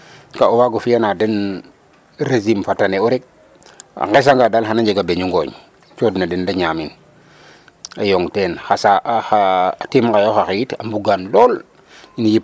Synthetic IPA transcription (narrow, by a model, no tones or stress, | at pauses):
kaowaɡofijanaden | ɾezimfataneuɾek̚ | a̰ŋɡes̬aŋɡadalɦanaɲd͡ʒeɡabeɲuŋɡo̰ɲ | t͡ʃodnadendaɲamḭn | ajoŋtenxasaxatimɡajoxaxita̰mbuɡanlol | injip